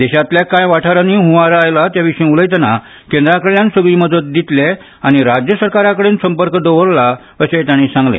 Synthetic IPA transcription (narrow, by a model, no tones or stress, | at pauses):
d̪eɕat̪ljakãjʋaʈʰaɾaniɦũʋaɾːjlat̪jaʋiʂiĩuləjt̪ana | kẽnd̪ɾakəɭjãnsəɡiːməd̪ət̪d̪it̪le | añiɾad͡ʑjəsəɾkaɾakəɽeːnsəmpəɾkd̪əʋəɾla | əɕat̪aɽ̃isãŋɡlḛ̃